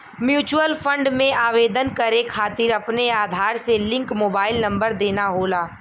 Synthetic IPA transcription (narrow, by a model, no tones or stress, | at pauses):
mjuːt͡ʃuəlfʰə̃ɳɖmẽʔaːʋeːd̪ənkɐɾekʰaːt̪ɪɾɐpneaːd̪ʱaːɾselɪ̃ŋkmoːbaːɪlnɐ̃mbəɾd̪eːnaɦoːlaː